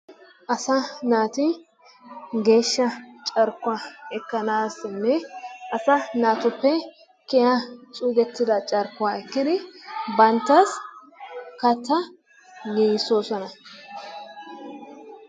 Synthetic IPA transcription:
ʔɐsɐnaːt̪ɪ | ɡe̞ːʃːɐt͡ʃʼɐɾkʊwaɛkːɐnaːsnːɛʔɐsɐnaːt̪ʊpːɛ | kɛjat͡ʃʼuːɡɛt̪ːɪd̪ɐt͡ʃʼɐɾkːʊaːɛkːɪd̪ɪbɐnt̪ːɐs | kɐt̪ːɐ | ɡiːsoːsɔnɐ

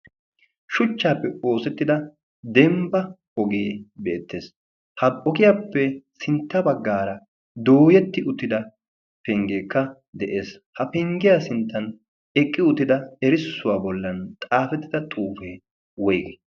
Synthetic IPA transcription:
ʃʊt͡ʃːaːpːɛo̞ːsɛt̪ːɪd̪ɐ | d̪ɛmbɐ | hɔɡeːbeːt̪ːeːs | hɐpʼːɔkɪjaːpːɛsɪnt̪ːɐbɐɡːaːɾɐ | d̪o̞ːjɛt̪ːɪʊt̪ːɪd̪ɐ | pɛŋɡeːkːɐ | d̪ɛʔeːs | hɐpɛŋɡɪjaːsɪnt̪ːɐn | ɛkʼːɪʊt̪ːɪd̪ɐɛɾɪsːʊwaːbɔlːɐnt̪ʼaːfɛt̪ːɪd̪ɐt̪ʼuːfeː | wɔjɡe

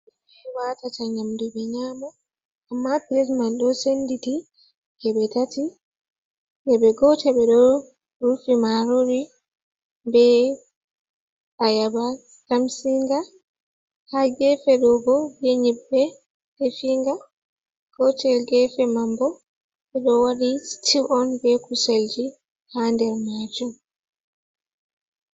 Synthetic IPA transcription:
ɛwatataɲamduɓɛɲaːmɔ | amːapiɾismanɗɔsenditi | ɡɛɓɛtati | nɛɓɛɡɔtɛɓɛɗɔ | ɾufimaɾoɾi | bɛ | ajaba | kamsiŋɡa | haɡɛfɛɗɔɡɔɡeɲibːɛ | defiŋɡa | ɡ̥ɔtʰɛlɡɛfɛmambɔ | ɓɛɗɔwaɗistʰivʔɔnbɛkusald͡ʒi | handɛɾmad͡ʒum

